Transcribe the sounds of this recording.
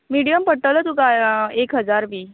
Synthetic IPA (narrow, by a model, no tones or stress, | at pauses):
miɽijəmpəɽʈəʋlət̪ukaekɦəd͡zaɾbʱiː